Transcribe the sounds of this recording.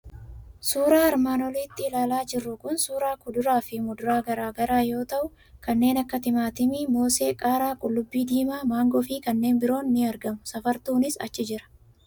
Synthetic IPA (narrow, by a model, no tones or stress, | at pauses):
suːɾaːɐɾmaːnɔliːt̪ːɪːlaːlaːd͡ʒɪrːʊkʊnsuːɾaːkʊd̪ʊɾaːfɪmʊd̪ʊɾaːɡɐɾaːɡɐɾaːjo̞ːt̪ɐʔʊ | kɐnːe̞ːnɐkːɐt̪ɪmaːt̪ɪmɪmo̞ːse̞ːkʼaːɾaːkʼʊlːʊbːiːd̪iːmaːmaːŋɡɔfɪkɐnːe̞ːnbɪɾo̞ːnnɪɐɾɡɐmʊsɐfɐɾt̪uːnɪsɐ̰t͡ʃːɪd͡ʒɪɾɐ̥